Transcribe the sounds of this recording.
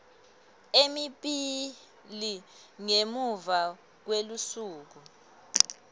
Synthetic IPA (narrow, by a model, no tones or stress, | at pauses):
emiɓi | liŋemuva | k̬welusuːk̬u